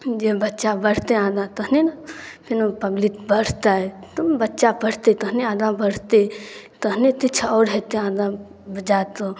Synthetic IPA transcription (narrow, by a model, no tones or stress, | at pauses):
d͡ʒebətːt͡ʃabəɽ̤t̪eãːd̪ãt̪əɦnenpʰinopəɡlit̪bəɽ̤t̪aɛt̪umbətːʃapəɽ̤t̪et̪əɦneãːd̪ãbəɽ̤t̪et̪əɦnet̪it͡ʃʰɔːɾɦet̪eãːd̪ã | bd͡ʒat̪o